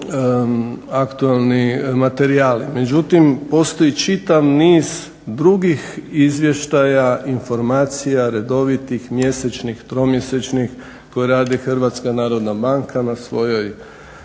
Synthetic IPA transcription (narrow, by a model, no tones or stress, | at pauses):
akt̪uelˠnimat̪e̞ɾiaːlime̞d͡ʒut̪impo̞st̪o̞jit͡ʃit̪aʋniːz | d̪ɾuɡixizʋje̞ʃt̪ajaʔinfo̞ɾmaːt̪sijaɾe̞d̪o̞ʋit̪ixmje̞set͡ʃnixt̪ɾo̞mje̞set͡ʃnix | ko̞jeɾaːd̪ixr̩ʋat̪skanaːɾo̞d̪nabaŋkʰanasʋo̞jo̞j